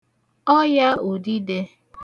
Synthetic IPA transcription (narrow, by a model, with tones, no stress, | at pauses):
ɔ˦ja˦o˨di˦de˦